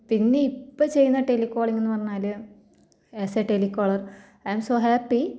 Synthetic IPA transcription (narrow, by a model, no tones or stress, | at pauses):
pinːe̞ipːot͡ɕe̞jːunːɐʈelikːoːɭiŋːenːɨpɐrɐɲːaːlɨ | eseʈelikːoːɭɐr | ajmsoːɦæpːi